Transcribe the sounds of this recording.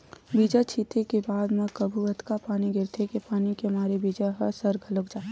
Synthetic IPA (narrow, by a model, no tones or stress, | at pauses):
biːd͡ʒat͡ʃʰiːt̪ekebaːd̪mẽkəbʱuɐd̪kapaːniɡɪɾt̪ʰekepaːnikemaːɾebiːd͡ʒaɦəsəɾɡʱɐləkd͡ʒaː